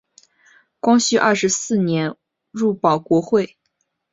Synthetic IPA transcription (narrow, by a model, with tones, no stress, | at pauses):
kwɑ˥ŋɕy˥˧ʔɐ˥˩ʂɻ̩˧˥sɹ̩˥˩njɛ˧˥n | ɻu˥˩pɑ˨˩ʊkwɔ˧˥xwe˥˩ɪ